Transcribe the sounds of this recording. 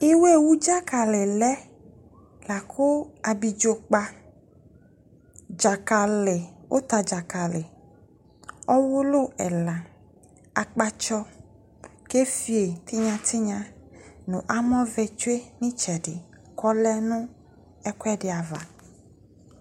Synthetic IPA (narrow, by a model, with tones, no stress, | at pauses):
e˦we˦wu˦d͡ʒa˦ka˨lɪ˨lɛ˦ | la˨kʰʊ˦a˨bi˨d͡ʒo˨k͡pa˦ | d͡ʒa˨ka˨lɪ˨wʔo̰˦t̪a˨d͡ʒa˨ka˨lɪ˨ | ɔ˦wʊ˦lo˦ɛ˨la˨ | a˨k͡pa˦t͡ʃɔ˦ | ke˦fi˦e˨t̪i˦ɲã˨t̪i˦ɲã˦nũ˨ʔa˦mɔ̃˦vɛ˨t͡ʃu˦e˦nĩ˦t͡ʃɛ˨ɖɪ˨ | kɔ˦lɛ˦nũ˦ | ɛ˦kwɛ˦ɖɪ˨a˨va̰˨